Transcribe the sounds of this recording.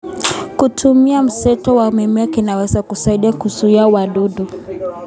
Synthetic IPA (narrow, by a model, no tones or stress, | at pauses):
kutʰumiam̩sɛtɔwaumimiakinawɛzakusaiɗiakusuiawaɗuɗu